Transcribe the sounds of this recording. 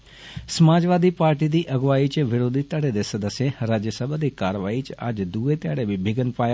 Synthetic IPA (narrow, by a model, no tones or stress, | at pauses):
səmaːd͡ʒʋaːd̪ipaːɾʈid̪iʔəɡʋaːit͡ʃʋɪɾoːd̪ʱit̪əɽed̪esəd̪əsjeɾaːd͡ʒjəsəbʱad̪ikaːɾʋaːit͡ʃad͡ʒd̪uːet̪jaːɽebʱibʱɪɡənpaːj